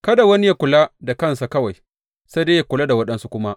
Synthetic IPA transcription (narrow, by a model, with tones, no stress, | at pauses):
kɐ˦da˨wɐ˦ni˦ja˦kʷʊ˨la˦da˨kɐ˦nsa˨kɐ˦wa˨j | sa˦de˦ja˦kʷʊ˨la˦da˨wɐ˦ɗɐ˦nsu˦kʷʊ˦ma˦ʔ